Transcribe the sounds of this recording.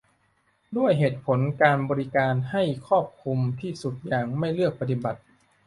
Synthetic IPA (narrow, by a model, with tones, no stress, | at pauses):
du˥˩əjɦeː˨˩t̪̚pʰo˩˦nkaː˧nbɔː˧ɾi˦˥kaː˧nha˥˩jkʰɔː˥˩p̚kʰu˧mt̪ʰiː˥˩su˨˩t̪̚jaː˨˩ŋma˥˩jlɯ˥˩ək̚pa˧t̪i˨˩ba˨˩t̪̚